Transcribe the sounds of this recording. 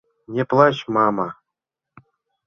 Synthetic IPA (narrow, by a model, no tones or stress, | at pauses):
nʲeplˠɑɕmɑma